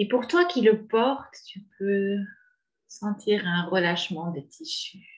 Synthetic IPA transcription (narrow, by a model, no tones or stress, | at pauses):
epuʁt̪wakʲiləpɔʁt̪ːypø | sɑ̃t̪ʰiʁɛ̃ʁəlaʃmɑ̃d̪ət̪ʰiʃy